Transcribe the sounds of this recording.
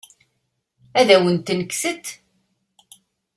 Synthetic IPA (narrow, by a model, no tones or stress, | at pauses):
æðæwənt̪ːnəkːsət̪